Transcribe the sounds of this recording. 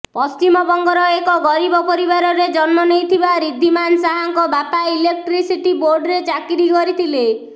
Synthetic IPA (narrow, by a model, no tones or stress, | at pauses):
pɔst͡ʃimɔbɔŋɡɔɾɔekɔɡɔɾibɔpɔɾibaɾɔɾed͡ʒɔnmɔnejt̪ʰibaɾid̪ʱːimansaɦaŋkɔbat̪ailek̚ʈɾisiʈiboɾɖɾet͡ʃakiɾikɔɾit̪ʰile